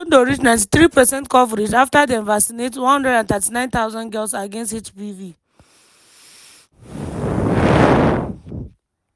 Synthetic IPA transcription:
ndoɹit͡ʃnãɪ̃nt̬i̥θɾipɛsɛ̃ntkɔvɛɾed͡ʒaftadiɛ̃nvasinetwɔ̃nhɔ̃ndɹɛdãnθatinãɪ̃nt̪aʊzɔ̃nɡɛltsaɡẽnstet͡ʃbivi

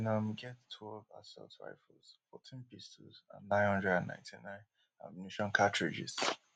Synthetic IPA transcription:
nãmɡɛttʰwɛlva̰sɛ̰ltɹa̰ɪflz̥fɔtʰĩnpisɪ̰zã̰nnãɪ̃nhʌ̃ndɹɛdãnːã̰ɪ̃ntʰinãɪ̃n | a̰mniʃɔ̃nkʰatɹɪd͡ʒɪ̰z̥

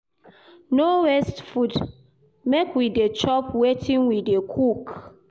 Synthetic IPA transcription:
nowɛstfud | mekwidet͡ʃɔpwetʰĩnwidekʰuk

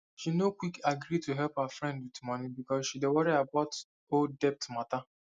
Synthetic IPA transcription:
ʃinokʷwikaɡɾituɦɛlphafɾɛ̃ndwitmɔnĩbikɔsʃidewɔɾiabaʊt | oldɛp̚tmata

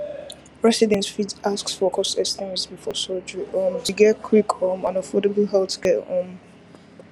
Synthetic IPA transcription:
ɹɛsidɛ̃ntfidasksfɔkʰɔsɛstimisbifɔsɔd͡ʒɹiʔɔ̃ntʰɨɡɛtkʰwikɔmãnəfɔdəbəl̩ˠɦɛltʰɡɛtɔ̰̃m

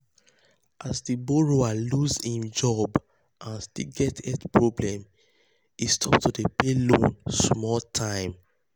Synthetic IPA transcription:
ʔazdiboɹoaluzĩmd͡ʒɔb | ʔãnstilɡɛtʰɛtpɹɔblɛ̃m | istʰɔptudepelõnsmɔltʰãɪ̃m

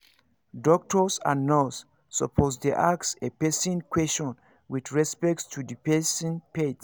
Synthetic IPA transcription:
dɔk̚tɔsã̰nnɔsː | ɔ̰pʰosdeʔaksepɛsĩnkwɛst͡ʃɔ̃n | widɹɛspɛk̚tstʰudipɛsĩnpet

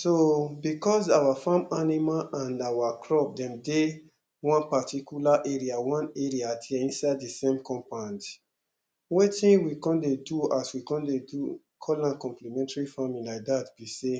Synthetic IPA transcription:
sobikɔzawafãmanimaʔãnawakʰɹɔp̚dɛ̃mde | wɔ̃npatʰikjulaʔeɹiawɔ̃neɹiatʰɛĩnsaɪddisẽmkʰɔ̃mpãnd | wɛtĩnwikɔ̃ndeduaswikɔ̃ndedu | kʰɔlãnkɔ̃mplimɛ̃ntaɹifamĩnlaɪk̚datb̥ise

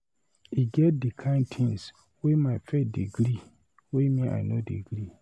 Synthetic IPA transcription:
iɡɛt̚dikʰãɪ̃ntʰĩŋs | wemaɪfet̚diɡɾi | wemĩa̰nodiɡɾi

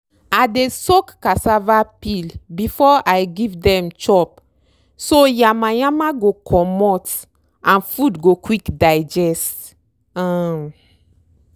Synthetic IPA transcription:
adesokːasavapilbifɔajɡivdɛ̃mt͡ʃɔp̚ | sojamajamaɡokʰɔmɔt | ãnfudɡokwikdaɪd͡ʒɛst | am

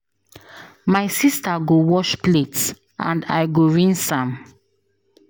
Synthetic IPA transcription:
maɪsistaɡowɔʃplets | ʔã̰nda̰ɪɡoɹĩnsãm

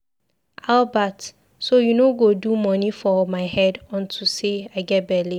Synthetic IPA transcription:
albat | sojunoɡodumɔ̃nifɔmaɪhɛdɔ̃ntʰuseaɪɡɛt̚bɛli

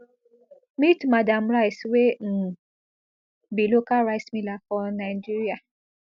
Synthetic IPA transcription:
mitmadamɾajswem̩ | bilokaɾaismĩlafɔnaid͡ʒiɾia

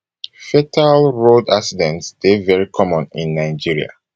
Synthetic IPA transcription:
fɛtʰalɹodaksidɛ̃ntsd̥evɛɹikʰɔmɔ̃nĩnːaɪd͡ʒiɹia̰

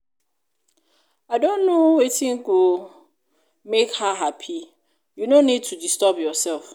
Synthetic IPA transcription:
aɪdõnːõwetʰĩŋɡo | mekhaɦapʰi | junõnĩd̚tʰudistɔpjɔsɛlf

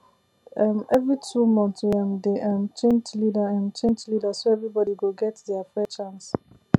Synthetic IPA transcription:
amɛvɹitʰumɔ̃ntãmdeʔamt͡ʃẽntlidaãnt͡ʃẽnd͡ʒlidasoɛvɹibɔdiɡoɡɛtdɛafɹɛt͡ʃãns

